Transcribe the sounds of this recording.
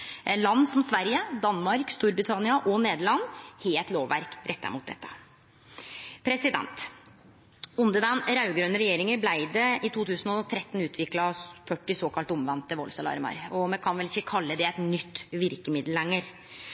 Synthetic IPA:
lɑnːsɔmsʋæɾjəd̪ɑnːmɑɾkst̪uːɾbɾɪt̪ʰɑnɪɑʔɔneːd̪əɭɑnːheːlt̪loːʋʋæ̰ɾkɾʔɛt̪ːə̰ɾmʊːt̪̚d̪ɛ̰t̪ːə̥ | pʰɾɛsɪd̪ɛ̰nt̪ | ʊnd̪əd̪ɛnɾɑʉɡɾøːnəɾɛjeːɾɪŋəblæɪd̪əɪt̪ʰuːt̪ʰʉːsn̩ɔt̪ʰɾɛt̪ːn̩ʉːt̪ʰʋɪklɑfœʈːɪsoːkʰɑlt̪ɔmʋɛnt̪ːəʋɔ̰lsɑlɑ̰ːɾəmɑ̰ɾɔmɛkʰɑnʋɛlɪçːəkʰɑlːəd̪ɛæɪt̪nʏt̪ːʋɪɾkəmɪd̪l̩ɛŋːəɾ

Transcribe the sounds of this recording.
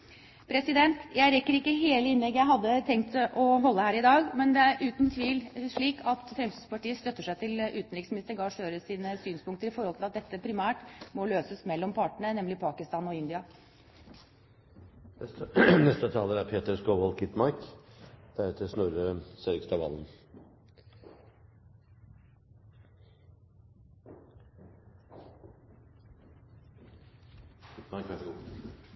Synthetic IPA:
pʰɾɛsɪd̪ɛnt̪jæɪɾɛkːəɾɪkːəɦeːləɪnlɛɡjæɪɦɑd̪ːət̪ʰɛŋkt̪ʔɔɦɔlːəhæːɾɪd̪ɑːɡmɛnd̪ɛæɾʔʉːt̪nt̪ʰʋiːlʂɭiːkɑt̪fɾɛmsyspɑʈiːəst̪œt̪ːəʂæɪt̪ʰɪlʉːt̪n̩ɾɪksmɪnɪst̪əɾɡɑːʂøːɾəsiːnəsyːnspʊŋkt̪əɾɪfɔɾhɔlɪlɑt̪̚d̪ɛt̪ːəpʰɾɪmæːʈmɔløːsəsmɛlːɔmpʰɑʈəɳənɛmlɪpʰɑːkɪst̪ɑːnɔɪnd̪ɪɑ | nɛst̪ət̪ʰɑːləɾæɾpʰeːt̪əɾskoːʋɔlkʰɪt̪mɑɾk | d̪̥æɾɛt̪ʰəsnuɾəsɛɾɪkst̪ɑʋɑ̰ln̩

